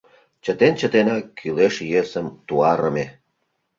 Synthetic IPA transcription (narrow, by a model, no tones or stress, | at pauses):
t͡ɕət̪ent͡ɕə̆t̪enɑkːyleʃjesə̆mt̪uɑɾə̆me